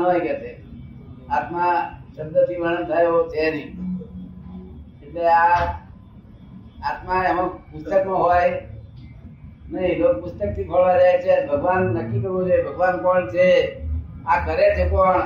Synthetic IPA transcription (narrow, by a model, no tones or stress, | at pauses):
ojkɛt̪e | at̪mãʃəb̚d̪ət̪ʰibəñət̪ʰajeɦot͡ʃʰenĩ | eʈlea | at̪mãeəmõpʊst̪əknõɦoj | nəĩlok̚pʊst̪ək̚t̪ʰipʰəɭʋad͡ʒaɦet͡ʃʰebʱəɡʋanːəkːik̪əɦũd͡ʒebʱəɡʋanpəɭt͡ʃʰe | akəɾet͡ʃʰepəɳ